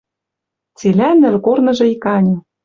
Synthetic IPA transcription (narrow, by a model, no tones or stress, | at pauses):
t͡selʲænɘ̆lkornɤ̆ʒɤ̆ikɑnʲɤ̆